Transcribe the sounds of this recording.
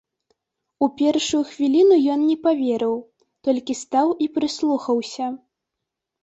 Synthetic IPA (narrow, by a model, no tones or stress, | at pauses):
upʲɛrʂujuxvʲilʲinujɔnnʲɛpavʲɛɾɨw | t̪ɔlʲkʲist̪awʔipɾɨslˠuxɐwsʲɐ